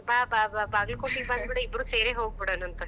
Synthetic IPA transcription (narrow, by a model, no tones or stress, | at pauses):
baːbababaːɡlɐkoʈiband̪biɽɐibːɾuːseːɾeːɦoːɡ̚biɽɐːnɐnt̪ɐ